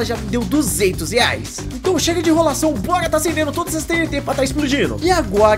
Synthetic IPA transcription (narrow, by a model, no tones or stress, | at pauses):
lɐʒãd̪ewd̪uzẽnt̪ʊshea̰js | ẽnt̪ɐ̃w̃ʃeɡɐd͡ʒɪɦolasɐ̃w̃bɔɾɐt̪asẽɾd̪ẽnd̪ʊt̪od̪ɐzɐst̪ẽjẽt̪ẽpɾɐt̪aɾɪsplud͡ʒĩnʊ̰ɪaɡɔɾ